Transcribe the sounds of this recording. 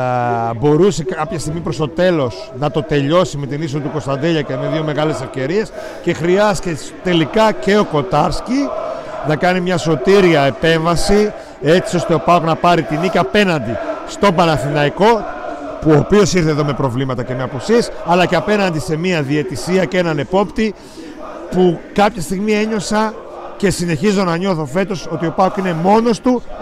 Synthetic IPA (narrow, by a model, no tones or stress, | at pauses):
bo̞ɾuse̞kɐpçɐst̪iɣmipɾo̞st̪o̞t̪e̞lo̞s | nɐt̪o̞t̪e̞ʎo̞sime̞t̪inis̬oit̪uko̞st̪ɐnd̪eʎɐceme̞ðio̞me̞ɣɐle̞se̞fce̞ɾie̞s | ce̞xɾiɐscest̪e̞likɐce̞o̞ko̞t̪ɐɾsci | nɐkɐnimɲɐso̞t̪iɾiɐe̞pe̞ɱvɐsi | e̞t͡sio̞st̪eo̞pɐknɐpɐɾit̪inicɐpe̞nɐnd̪ist̪o̞bɐnɐθinɐiko̞ | puo̞pio̞siɾθeðo̞me̞pɾo̞vlimɐt̪ɐce̞me̞ɐpusie̞sɐlɐceɐpe̞nɐnd̪ise̞miɐðie̞t̪isiɐce̞nɐne̞po̞pt̪i | pukɐpçɐst̪iɣmie̞ɲo̞sɐ | ce̞sine̞çizo̞nɐɲo̞θo̞fe̞t̪o̞so̞t̪io̞pɐokine̞mo̞no̞st̪u